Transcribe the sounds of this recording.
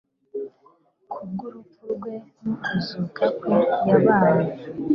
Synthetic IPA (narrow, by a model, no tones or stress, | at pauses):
kʰub̚ɡuɾupuɾɡwe̞nukʰuzukʰakwijaβaːɾa